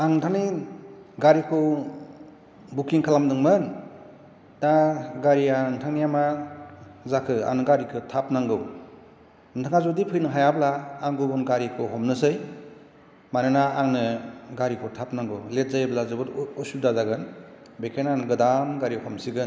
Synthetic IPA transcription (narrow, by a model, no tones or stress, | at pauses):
aŋtʰanij | ɡaɾikʰɯw | bukːiŋkʰalamdɯŋmɯn | daɡaɾijantʰaŋnijama | zakʰɯa̰ŋnɯɡaɾikʰɯtʰap̚naŋɡɯw | ntʰaŋazodipʰɯjnɯɦajablaːŋɡɯbɯnɡaɾikʰɯwɦɔmnɯsɯj | manɯnaːŋnɯɡaɾikʰɯwtʰap̚naŋɡɯwlet̚zajblazɯbɯɾɔsudazaɡɯn | bekʰenanɯɡɯdamɡaɾihɔmsiɡɯn